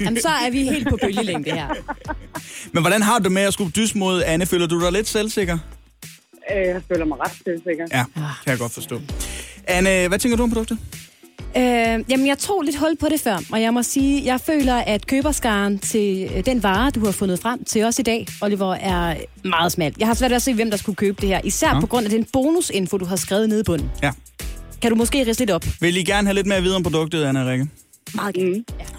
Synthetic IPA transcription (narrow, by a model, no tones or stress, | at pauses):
æmnsɒ̽æɐʋihḛːld̥̚pʰɒ̽b̥ʰøləleŋb̥əheɐ̰ | menʋɒɾ̥ænɦɑ̈d̥umeɒsɡ̥ud̥ysmo̝ðˠænəføːlɐd̥ud̥ɑ̈ɪle̝d̥selse̝ɡ̥ɐ | jafø̰ːlɐmaɪʁɑd̥selseɡ̥ɐjækʰæjɑ̈ɡ̥ɒ̽d̥fɒ̽sd̥ɔ̰ːʔænəʋæt͡sʰeŋɡ̥ɐduɒmpʰɔ̥d̥ɔ̽ɡ̥̚d̥ | øjæmənjɑ̈ɪt͡sʰʁo̝̰ːle̝d̥ɦɒ̽l̰d̥̚pʰɒ̽ɾe̝fɶɐ̰ɒ̽jɑ̈ɪmɒ̽siːjɑ̈ɪfø̰ːlɐʔæd̥kʰøːb̥ɐsɡ̥ɑ̈ːnt͡sʰe̝ld̥enʋɑ̈ːd̥uhɑ̈fɔ̽nð̩ˠfʁam̰t͡sʰe̝lɒ̽sid̥ɛ̰ːɒliʋɒʔæɐmɑ̈ːð̞̩ˠsmæl̰d̥jɑ̈ɪhɑ̈sʋæɐd̥ɒse̝̰ːʋemd̥ɑ̈sɡ̥ukʰøːb̥əd̥e̝heɐ̰ʔisæɐ̰pʰɒ̽ɡ̥ʁɔ̽n̰æd̥enb̥o̝ːnuse̝nfo̝d̥uɦɑ̈sɡ̥ʁɛːʊð̞̩ˠne̝ð̞ˠib̥ɔ̽n̰n̩ | kʰæɾumɒ̽sɡ̥e̝̰ːʁisəle̝dɒ̽b̥ʋe̝liɡ̥æɐnəhæle̝d̥̚meɐʋið̩ˠɒmpʰʁod̥ɔ̽ɡ̥̚d̥ð̩ˠænʁeɡ̥ə | m̩ːˠ